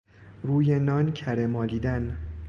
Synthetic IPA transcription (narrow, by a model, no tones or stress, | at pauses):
ɾuːjenɒːncʰæɾemɒːliːd̪æn